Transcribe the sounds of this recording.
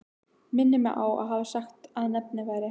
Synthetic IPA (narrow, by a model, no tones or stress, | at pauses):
mɪnːɪmɛ̰ɣʔa̰wa̰ðɦaːvasaxt̪aðnɛp̚nɪvajɾɪ